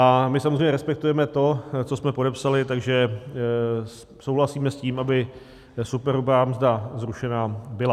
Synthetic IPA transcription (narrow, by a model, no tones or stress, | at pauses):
ʔamɪsamozr̝ejɲɛɾɛspɛk̚t̪ujɛmɛt̪o̞t͡so̞smɛpo̞dɛpsalɪt̪aɡʒɛ | sowɦlasiːmɛsciːmʔabɪ | supɛɾubaːmzdazɾuʃɛnaːbɪla